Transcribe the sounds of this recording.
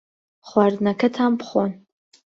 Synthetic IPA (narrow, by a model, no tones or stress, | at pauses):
χʷarnakʰɨtʰampʰχʷon